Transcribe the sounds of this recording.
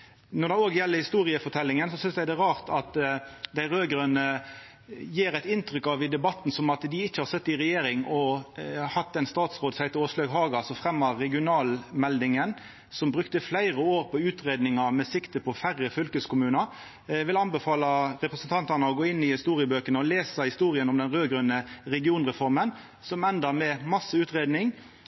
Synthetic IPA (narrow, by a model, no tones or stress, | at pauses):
nɔd̪ɛoːɡəjɛlːəhɪst̪uːʁɪəfɔt̪ʰɛlːɪŋənsɔsʏnsd̪æɪd̪ɛʁɑːʁt̪ʰɑt̪d̪æɪɾøːɡəɾənə | jeːɾæɪt̪ɪnt̪ɾʏkːɑʋɪd̪ɛbɑt̪ːn̩sɔmɑt̪d̪ɪɪçːəhɑɾsɛt̪ːɪʁɛjeːɾɪŋɔhɑt̪ːɛnst̪ɑːt̪sʁoːd̪sæɪt̪ɪoːʂløːɡɦɑːɡɑlsɔfʁɛmːɑɾɛɡɪʊnɑːlmɛld̪ɪŋən | sɔmbɾʉkt̪əflæɪɾəoːɾpɔʉːt̪ʁeːd̪nɪŋɑmɛsɪkt̪əpʰɔfæɾəfœlkəskʊmʉːnɑ | ʋɪlɑnbəfɑːlɑɾɛpɾəsnt̪ʰɑnt̪ɑnəɔɡoːɪnːɪhɪst̪uːɾɪəbøːkənəɔleːsəhɪst̪uːɾɪənɔmd̪ɛnʁøːɡɾʉnːəɾɛɡɪuːnʁɛfɔɾmən | sɔmɛnd̪əmɛmɑsːəʉːt̪ʁeːd̪nɪŋ